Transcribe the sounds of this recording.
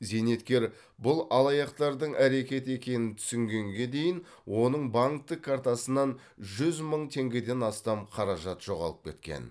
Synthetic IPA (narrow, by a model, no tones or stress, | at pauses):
ze̞ne̞t̪kʲe̞ɾ | bʊlˠɑlˠɑjɑqt̪ɑɾd̪əɴæɾe̞kʲe̞t̪ɪe̞kʲe̞nɪnt̪ʰʏ̥sɪŋɡʲe̞ŋɡʲe̞d̪e̞jɪn | wo̞nəɴbɑŋk̚t̪ːəkʰːaɾt̪ɑsənːɑn | ʒʏzməɴt̪ʰe̞ŋɡʲe̞d̪e̞nɑst̪ɑmqʰɑɾɑʒɑt̪ʒ̥o̞ʁɑ̰lˠəp̚kʲʰe̞̰t̪̚kʲḛn